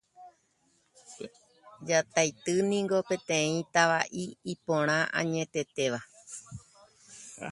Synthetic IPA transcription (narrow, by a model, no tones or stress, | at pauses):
d͡ʒat̪ajt̪ɨnĩŋɡo̞pẽ̞t̪ẽ̞ĩt̪aʋaʔiːpõ̞ɾ̃ãʔã̰ɲẽ̞t̪e̞t̪e̞ʋa